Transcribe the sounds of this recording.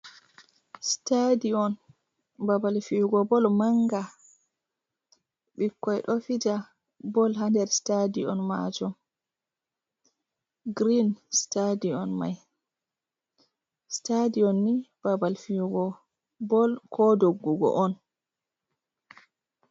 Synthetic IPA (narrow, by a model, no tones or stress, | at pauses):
stadiɔn | babalfijuɡɔbɔlmaŋɡa | ɓikːɔjɛɗofid͡ʒa | bɔlɦandɛɾstadiɔnma̰d͡ʒɔm | ɡɾinstadiɔnma̰j | stadiɔnːib̥abalfiuɡɔ | bɔlkʰɔdoɡːuɡɔ̰ʔɔn